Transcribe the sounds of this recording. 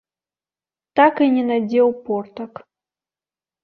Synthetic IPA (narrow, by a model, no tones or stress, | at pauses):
t̪akɨnʲinad͡zʲewport̪ɐk